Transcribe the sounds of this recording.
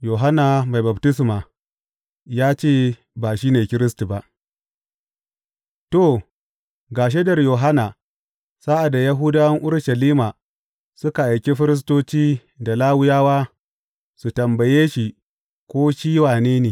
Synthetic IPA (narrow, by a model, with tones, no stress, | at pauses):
joː˨ɦa˦na˨ma˨jba˨btɪ˦s̬ma˨ | jaː˦t͡ʃeː˦ | ba˨ʃiː˦neː˨kʲɪ˦ɾɪ˦s̬ti˨ba˦ʔ | to˦˨ | ɡaː˨ʃ̬e˦dɐ˨rjoː˨ɦa˦na˨ | saː˦ʔa˨dːa˨ja˦ɦʊ˦daː˦wɐ˦ŋʔʊ˦ɾʃɐ˨liː˦ma˨ | sʊ˦ka˨ʔa˨jkʲi˦ɸɪ˦ɾɪ˦s̬toː˦t͡ʃiː˦ | da˨laː˦wʊ˦jaː˦waː˦ | su˨tɐ˨mbɐ˨jeː˦ʃi˨ | kʷoː˦ʃiː˦waː˨neː˦neː˨